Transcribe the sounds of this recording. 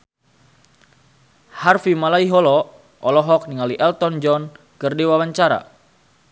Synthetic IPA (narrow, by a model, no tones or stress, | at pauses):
harfimalaiɦɔlɔ | ʔɔlɔɦɔk̚niŋaliʔɛlt̪ɔnd͡ʒɔn | kɨrdiwawaɲt͡ʃaɾa̰